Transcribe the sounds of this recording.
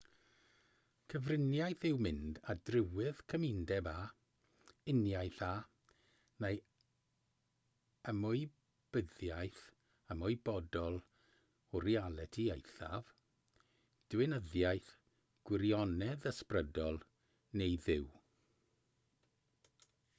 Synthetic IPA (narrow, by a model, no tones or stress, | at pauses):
kʰəvrɪnjajθɪwmɪndadrɪwɪð̥kʰəmɪndɛba | ɪnjajθa | nej | əmʊɨj | b̥əðjajθ | əmʊɨbɔdɔlˠ | ɔɾialˠɛtʰiejθa̰v | d̥wɪnəðjajθ | ɡ̥wɪɾjɔnɛðəsprədɔlˠ | nejðɪw